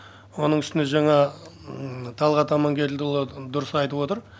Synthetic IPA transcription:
wo̞nəɴʏst̪ɪneʒɑɴɑ | t̪ʰɑlˠʁɑt̪ʰɑmɑŋɡʲe̞ɾld̪ɪlˠəd̪ʊɾəsɑjt̪əpwo̞t̪əɾ

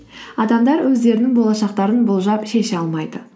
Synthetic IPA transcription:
ɑd̪ɑmd̪ɑɾwɵzd̪e̞ɾɪnɪŋbo̞lˠɑʃɑqt̪ɑɾənbʊlˠʒɑpʃe̞ʃɑlˠmɑjd̪̥ə

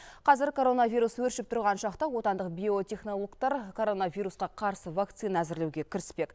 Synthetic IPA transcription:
qʰɑzɪɾkʰo̞ɾo̞navʲijɾuswɵɾʃɪp̚t̪ʰʊɾʁɑnʃɑqt̪ɑwo̞t̪ɑnd̪əqbʲio̞t̪ʲe̞χno̞lˠo̞kt̪ɑɾkʰo̞ɾo̞navʲijɾusqɑqʰɑɾsəvakt̪sɨjnæzɪɾlewɡʲe̞kʲʰɪɾɪspe̞k

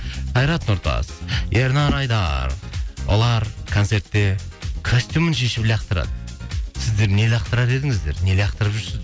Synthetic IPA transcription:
qʰɑjɾɑt̪nʊɾt̪ɑ̰sjeɾnɑɾɑjd̪ɑ̰ɾwo̰lˠɑɾkʰont̪se̞ɾt̪ːe̞kʰosʲt̪ʲumənʃe̞ʃɪpblejɑq̚t̪əɾɑ̰d̪əsɪzd̪e̞ɾne̞lʲejɑq̚t̪əɾɑɾe̞d̪ɪŋɪzd̪e̞ɾne̞leɑqt̪əɾəpʒʏɾsɪzd̪

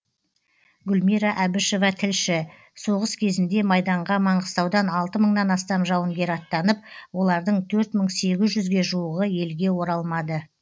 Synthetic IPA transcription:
ɡʲʊlmiɾɑʔæbɪʃo̞vɑt̪ʰɪlʃɪ | so̞ʁəskʲʰe̞zɪnd̪e̞mɑjd̪ɑɴʁɑmɑɴʁəst̪ɑwd̪ɑnɑlˠt̪əməɴnɑnɑst̪ɑmʒɑwənɡʲe̞ɾɑt̪ːɑnəp̚wo̞lˠɑɾd̪əɴt̪ʰɵɾt̪məɴse̞ɡʲɪzʒʏzɡʲe̞ʒuəʁəje̞lɡʲe̞wo̞ɾɑlˠmɑd̪ə

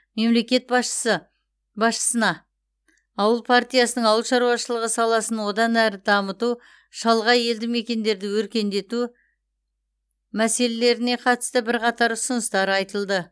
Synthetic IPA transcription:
me̞mle̞kʲe̞t̪̚bɑʃə̥sə | bɑsʃə̥sənɑː | wəlˠpʰart̪ijasənəɴɑwəlˠʃɑɾuɑʃəlˠəʁəsɑlˠɑsənwo̞d̪ɑnæɾɪd̪ɑmət̪u | ʃɑlˠʁɑje̞ld̪ɪme̞kʲe̞nd̪e̞ɾd̪ɪwɵɾkʲe̞nd̪e̞t̪u | mæse̞lele̞ɾɪne̞qʰɑt̪ə̥st̪əbɪɾqɑt̪ɑɾʊsənəst̪ɑɾɑjt̪əlˠd̪ə

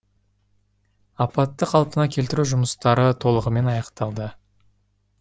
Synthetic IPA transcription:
ɑpɑt̪ːəqʰɑlˠpənɑkʲʰelt̪ɪɾuʒʊməst̪ɑɾət̪ʰo̞lˠəʁəme̞nɑjɑqt̪ɑlˠd̪ə

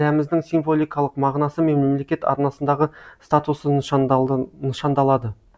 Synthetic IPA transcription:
æmɪzd̪ɪŋsiɱvo̞lʲˠijkɑlˠəqmɑʁnɑsəme̞mle̞mle̞kʲe̞t̪ɑ̰ɾnɑsənd̪ɑʁəst̪at̪usən | nəʃɑnd̪ɑlˠɑd̪ə

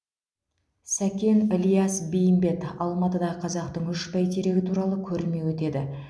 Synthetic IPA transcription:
sækʲe̞nɪlijɑsbejɪmbe̞t̪ɑlˠmɑt̪əd̪ɑʁəqʰɑzɑqt̪əɴʏʃpæjt̪ʰeɾe̞ɡʲɪt̪ʰuɾɑlˠəkʲʰɵɾɪme̞wɵt̪e̞d̪ɪ

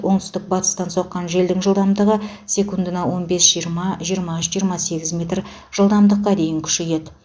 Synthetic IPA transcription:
wo̞ɴt̪ʰʏ̥st̪ɪk̚bɑt̪ə̥st̪ɑnso̞qːɑnʒe̞ld̪ɪŋʒəlˠd̪ɑmd̪əʁə | sʲe̞kund̪ənɑwo̞nbe̞sʒ̥ijəɾmɑʒijəɾmɑʏʃʒijəɾmɑse̞ɡʲɪzmʲe̞t̪r | ʒ̥əlˠd̪ɑmd̪əqːɑd̪e̞jɪŋkʲʰʏ̥ʃeje̞d̪ɪ

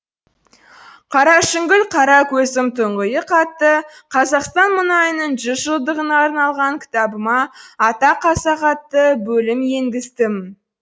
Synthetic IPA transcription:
qʰɑɾɑʃɪŋɡʲɪlqʰɑɾɑkʲʰɵsɪmt̪ʰʊɴʁəjəqʰɑt̪ːəqʰɑzɑqst̪ɑnmʊnɑjənəɴʒʏzʒəlˠd̪əʁənɑːɾnɑlˠʁɑŋkʲʰɪ̥t̪ɑbəmɑːt̪ɑqʰɑsɑqɑt̪ːəbɵlɪmjeŋɡʲɪst̪ɪm

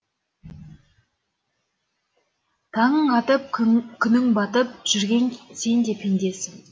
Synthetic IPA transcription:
t̪ʰɑɴəɴɑt̪əp̚kʲʰʏnɪŋbɑt̪əp̚ʒ̥ʏɾɡʲe̞ŋse̞nd̪e̞pʰend̪e̞sɪŋ

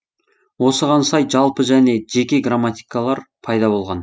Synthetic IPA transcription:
wo̞səʁɑnsɑjʒɑlˠpəʒæne̞ʒe̞kʲe̞ɡramːat̪ijkalˠɑɾpʰɑjd̪ɑbo̞lˠʁɑn

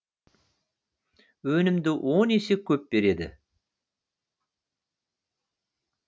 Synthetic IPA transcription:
wɵnɪmd̪ɪʔonesɪkʲʰɵp̚be̞ɾe̞d̪ɪ̰

